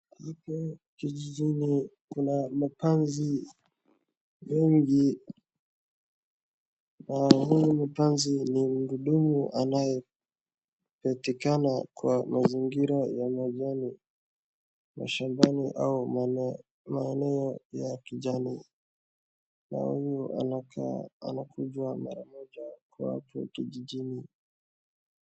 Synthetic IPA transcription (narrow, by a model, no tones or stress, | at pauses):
hikɔkiʄiʄinikunamapanzi | mɛŋɡi | nahujmipanzinim̩ɡuɗumuʔanajɛ | pɛtikanakwamaziŋɡiɾajamaʄani | ma̰ʃambaniʔau | maɛnɛɔjakiʄani | na̰hujua | a̰nakuʄwama̰ɾamɔʄakwa̰wa̰tuwa̰kiʄiʄini